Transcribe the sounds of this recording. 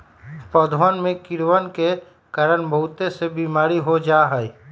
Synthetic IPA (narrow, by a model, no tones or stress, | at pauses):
pɔd̪ʱənmẽkɪɾwənke | kəɾənbʱəʊt̪esebiːmaːɾiɦod͡ʒaːɦəi